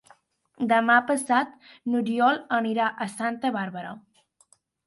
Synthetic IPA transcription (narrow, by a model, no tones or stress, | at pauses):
d̪əmapəsat̪̚ | nuɾiɔləniɾaʔəsant̪əβaɾβəɾə